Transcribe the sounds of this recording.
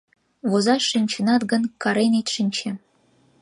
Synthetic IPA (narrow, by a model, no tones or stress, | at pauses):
βozɑʂĭnʲt͡ɕɘ̆nɑt̪ɡɤ̆nkɑɾenʲet̪ʂinʲt͡ɕĕ